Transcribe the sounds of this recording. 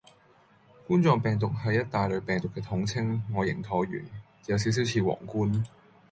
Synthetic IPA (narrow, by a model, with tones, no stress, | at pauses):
kuː˥nt͡sɔː˨˧ŋpɛː˨ŋt̪̬ʊ˨k̚hɐ˨jɐ˥t̚t̪aː˨jlɵ˨˧ɥpɛː˨ŋt̪ʊ˨kːɛː˧t̪ʰʊ˨˥ŋt͡sʰɪ˥ŋːɔː˨˧jɪ˨˩ŋt̪ʰɔː˨˥ɥy̰ː˨˩nː˨˧ | jɐ˨˧ws̬i˨˥ws̬i˨˥wt͡sʰiː˨˧˩wɔ̰ː˨˩ŋkuː˥n